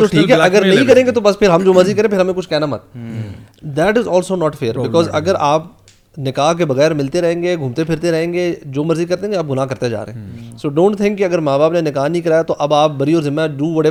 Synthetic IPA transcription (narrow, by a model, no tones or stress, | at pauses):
t̪oʈʰiiːkɦɛɐɡəɾnɐ̃ɦĩkɐɾẽːŋɡet̪obɐspʰɪɾɦɐmd͡ʒoːmɐɾzikɐɾẽːpʰɪɾɦɐmẽkʊt͡ʃʰkɛɦnamɐ̰t̪̚ | d̪ɛːʈɪzɔːlsoːnɔːʈfeːɾbɪkɔːzɐɡəɾaːp̚ | nɪkaːɦkebɐɣɛːɾmɪlt̪eɾɐɦẽːŋɡeɡʱũːmt̪epʰɪɾt̪eɾɐɦẽːŋɡed͡ʒoːmɐɾzikɐɾt̪ẽɦẽŋeaːp̚ɡʊnaːkɐɾt̪ed͡ʒa̰ːɾḛɦɛ̃soːɖõːɳʈt̪ʰɪ̃ŋkːiɐɡəɾmaːbaːpnenɪkaːɦnɐɦĩkɐɾaːjat̪oʔɐbaːp̚bɐɾiɔːɾzɪmːaɖuːʋɐɽe